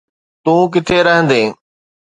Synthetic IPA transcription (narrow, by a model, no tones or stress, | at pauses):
t̪ũːk̬ɪt̪ʰeɾɐɦə̃nd̪eː